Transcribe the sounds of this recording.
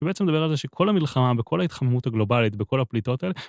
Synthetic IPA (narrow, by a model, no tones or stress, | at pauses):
beʔet͡semedabe̞ʁalzeʃekʰo̞lamilχamabekʰo̞lait̪χamemuthaɡlo̞balitbe̞ko̞laplito̞taele